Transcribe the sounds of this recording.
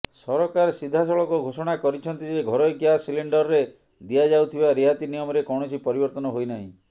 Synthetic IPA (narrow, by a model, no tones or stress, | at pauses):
sɔɾɔkaɾsid̪ʱːasɔɭɔkuɡʱosɔɽ̃akɔɾit͡ʃʰɔnt̪id͡ʒeɡʱɔɾɔɡjasiliɳɖɔɾɾe | d̪iad͡ʒawt̪ʰibaɾiat̪inijɔmɔɾekɔw̃ɔt͡ʃʰipɔɾibɔɾt̪ɔnɔɦojnaɦĩ